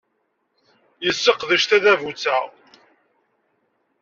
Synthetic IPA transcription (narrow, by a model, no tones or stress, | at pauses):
jəsːəqðəʃt̪æðævut͡sːæʁ